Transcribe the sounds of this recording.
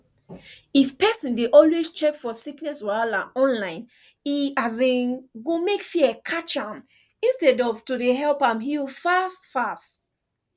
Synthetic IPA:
ifpɛsĩndeʔɔlwest͡ʃɛkfɔsiknɛswalãɔ̃nlãɪ̃n | iazẽɡomekfiɛkʰat͡ʃãm | ĩnstɛdɔvtudeɦɛlpãmɦilfastfast

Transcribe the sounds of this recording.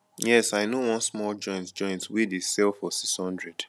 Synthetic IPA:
jɛsaɪnowɔ̃nsmɔlˠd͡ʒɔ̃ɪ̃ntd͡ʒɔ̃ɪ̃ntwidesɛlˠfɔsikshɔ̃ndɹɛd̥

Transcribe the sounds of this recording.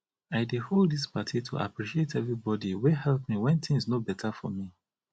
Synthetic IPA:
aɪdeholˠdispatʰitʰṵʔa̰pɹiʃietʰɛvɹibɔdiwehɛlˠpmiwɛ̃nθɪ̃ŋsnobɛtʰafɔ̰mi

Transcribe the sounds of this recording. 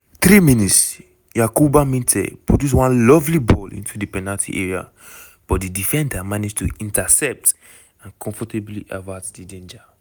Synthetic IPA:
θɾiminits | jakubamĩntʰɛ̰pɹodus̬wãnlɔvlibɔlʔḭ̃ntʰudipɛnaltʰḭʔɛɹia̰ | b̥ɔtdidifɛ̃ndamanid͡ʒtuĩntasɛp̚t | ãnkʰɔ̃ɱfɔtebliʔavatdidẽnd͡ʒa

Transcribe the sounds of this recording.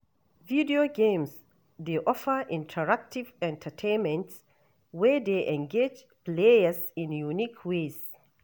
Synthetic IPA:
vidioɡẽms | deʔɔfəʔĩntʰəɹak̚tʰivɛ̃ntʰətʰẽnmɛ̃nts | wɛd̪eʔɛ̃ŋɡed͡ʒ | plejəsĩnjunikʰwez

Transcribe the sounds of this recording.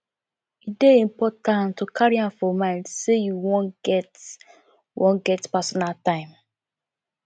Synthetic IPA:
ideĩmpɔtãntokʰaɹiãmfɔmãɪ̃ndsejuwõnɡɛt | wõ̰nɡɛtpasɔnaltãɪ̃m

